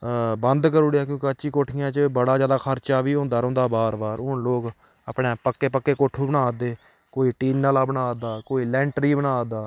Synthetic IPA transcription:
bənd̪kəɾʊːɽjaːkjõːkeətːʃiːkoːʈʰɪjãːt͡ʃəbəɽaːd͡ʒjaːd̪aːkʰəɾt͡ʃaːʋiːõːnd̪aːɾõːnd̪aːbaːɾbaːɾʊnloːk | əpeːpəkːeːpəkːeːkoːʈʰːuːbənaːd̪eː | koːiːʈiːnnaːlaːbənaːd̪aːkoːiːlɛ̃ːɳʈɾiːbənaːd̪aː

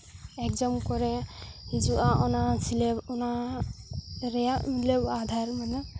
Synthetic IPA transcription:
ɛkzamkɔɾɛhid͡ʒuʔaʔɔnasileɔna | ɾɛjamilebad̪ʱaɾmana

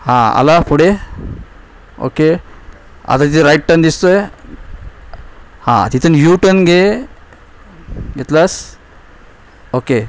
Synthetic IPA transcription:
hãa̰lapuɽe | o̰ke | a̰t̪at̪it̪eɾajʈ̚ʈəɾnd̪ist̪oj | hã̰t̪it̪ənjuʈənɡe | ɡet̪las | oke

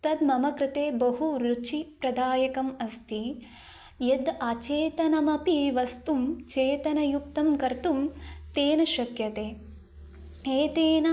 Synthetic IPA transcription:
t̪ɐd̪mɐmɐkɾɪt̪eːbɐɦuɾut͡ʃipɾɐd̪aːjɐkɐmɐst̪i | jed̪ɐt͡ʃeːt̪ɐnɐmɐpiʋɐst̪umt͡ʃeːt̪ɐnɐjukt̪ɐmkɐɾt̪umt̪eːnɐʃɐkjɐt̪eː | eːt̪eːnɐ

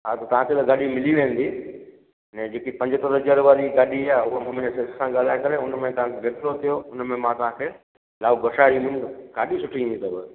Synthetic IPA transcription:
ɦat̪ɐt̪ɐʋ̤ãk̪et̪ɐɡaːɗimɪliʋẽːən̆d̪i | nɛ̃d͡ʑeːkipɐ̃ɲd͡ʑt̪oɾəd͡ʑəɾʋaɾiɡaːɗiaːʊɦomʊmɪnəsessãɡaːl̤aːɪkɐɾeʊnmẽt̪ɐʋ̤ãkʰebet̪ɾot̪ʰijoʊnmẽmãt̪ɐʋ̤ãːkʰeː | laːbɡɐʃaːɾimʊ̃nɡaːɗisʊʈʰĩːnd̪it̪ɐbɪ

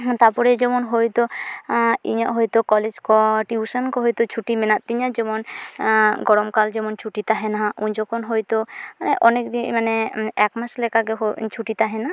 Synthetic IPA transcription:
t̪apɔɾed͡ʒɔmɔnɦojt̪o | ḭɲa̰ʔɦojt̪okɔled͡ʒkɔʈiusankɔɦojt̪ot͡ʃʰuʈimenat̪̚t̪ːiɲad͡ʒɔmon | ɡɔɾɔmkald͡ʒɔmɔnt͡ʃʰuʈit̪aɦenauɲd͡ʒɔkʰonɦojt̪oaneʔɔnekd̪imaneɛkmaslɛkaɡeɦot͡ʃʰuʈit̪aɦena

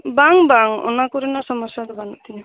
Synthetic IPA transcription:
baŋbaŋo̰nakuɾinasɔmɔʃad̪ɔbant̪ini

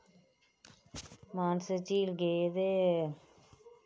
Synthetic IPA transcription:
maːnsət͡ʃiːlɡeːd̪e

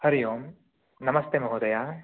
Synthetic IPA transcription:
hɐɾijoːm | nɐmɐst̪emɐɦoːd̪ɐjaː

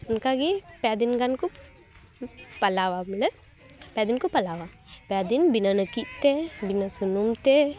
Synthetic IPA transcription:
unkaɡipad̪inɡanku | pɐlawamle | pjad̪inkupɐlaʋa | pad̪inbinanəkit̪ebinasunumt̪e

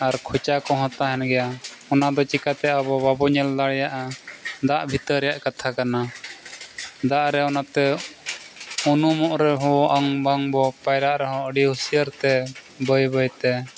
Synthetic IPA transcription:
aɾkʰut͡ʃakɔɦɔ̃t̪aɦɛnɡɛjaɔnad̪ɔt͡ʃikat̪ɛabɔbabɔɲɛld̪aɽjaʔad̪aʔbʱit̪əɾɛjaʔkat̪ʰakana | d̪aʔɾɛɔnat̪ɛ | unumɔʔɾɛɦɔ̃ʔaŋbaŋbɔpajɾaʔɾɛɦɔ̃əɖihusijəɾt̪ɛ | bəjbəjt̪ɛ

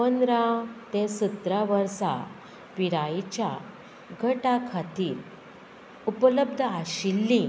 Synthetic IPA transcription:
pənɾat̪esut̪ɾaʋəɾsa̰ | piɾajt͡ɕja̰ | ɡʱəʈakʰat̪iːɾ | upələb̚d̪ʱəaɕilːĩ

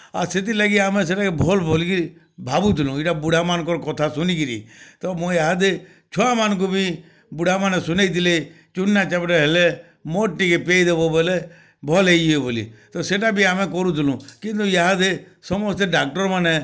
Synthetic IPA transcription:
a̰ɾset̪̬iləɡiaːmẽs̬eʈakebʱɔlbʱolikiɾi | bʱabut̪ʰɪlũiʈabʊɽamankɔɾkɔt̪ʰasʊnikiɾḭt̪ɔmõjaɦad̪e | t͡ʃʰɔamank̬ubʱi | bʊɽ̤ʱamanesʊneit̪ile | t͡ʃʊnːat͡ʃapɖeɦele | moʈːikepeːid̪ebɔbɔle | bʱɔleid͡ʒebolḭt̪ɔseʈabʱiamẽkɔɾũt̪ʰɪlũːkɪ̃nt̪ujaɦad̪e | sɔmɔst̪eɖak̚ʈɔɾmane

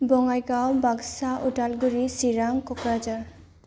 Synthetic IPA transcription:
bɔŋajɡawbaɡsaʔuʈalɡuɾisiɾaŋkɔkɾad͡ʒaɹ

